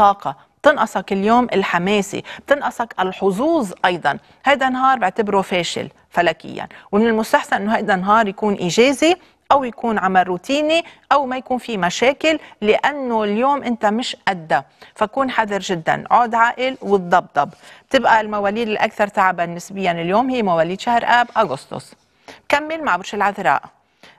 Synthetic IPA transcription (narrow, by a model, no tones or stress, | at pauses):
t̪ˤɑːqɑ | b̥̚t̪ɪnʔɑsˤɑkɪljoːmʔɪlħameːsḭb̥̚t̪ɪnʔɑsˤɑkʔɪlħʊzˤuːzˤʔɑjd̪ˤɑn | hajd̪anːɦɑːɾˤbɪʕt̪ɪbɾufeːʃɪ̰l | falaːkɪ̰jːa̰nwmɪnɪlmʊst̪aħsanʔɪnːoɦajd̪anːɦɑːɾˤjakuːnʔiːʒeːzi | ʔawjakuːnʕamarːuːt̪iːniʔawmajakuːnfimaʃeːkɪlːɪʔanːoljoːmʔɪnt̪amɪʃʔad̪ːafakuːnħaðˤɨɾʒɪd̪ːa̰nʕoːd̪ʕaːʔɪlwɪt̪̚d̪ˤɑb̚d̪ˤɑbb̥̚t̪ɪbʔalmawaːliːd̪ɪlʔa̰kθɑɾˤt̪aʕabanːɪsbɪjːanɪljoːmhɪjːmawaːliːd̪ʃahɾʔaːbʔaɡʊst̪o̰s | bkamːɪlmaʕbʊɾʃɪlʕaðɾˤɑ̰ːʔ